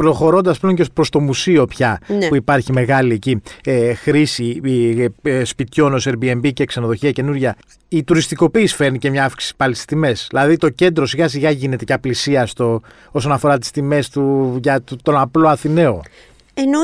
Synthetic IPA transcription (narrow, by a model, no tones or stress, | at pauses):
pɾo̞xo̞ɾo̞nd̪ɐspleoɲcepɾo̞st̪o̞musio̞pçɐnpuipɐɾçime̞ɣɐlieciexɾisi | spit̪ço̞no̞seɾbie̞mbicekse̞no̞ðo̞çiɐce̞nuɾʝɐ | it̪uɾist̪iko̞piːsfe̞ɾnice̞mɲɐɐfki̥isi̥pɐlisi̥st̪ime̞sðilɐðit̪o̞ce̞nd̪ɾo̞siɣɐsiɣɐʝine̞t̪e̞ceɐplisiɐst̪o̞ | o̞so̞nɐfo̞ɾɐt̪i̥st̪ime̞st̪uʝɐt̪t̪o̞nɐplo̞ɐθine̞o̞ | eno